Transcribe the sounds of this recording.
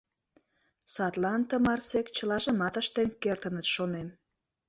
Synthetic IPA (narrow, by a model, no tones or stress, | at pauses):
sɑt̪lɑnt̪əmɑrsekt͡ɕəlɑʒə̆mɑt̪əʃt̪enkert̪ənət̪ʃonem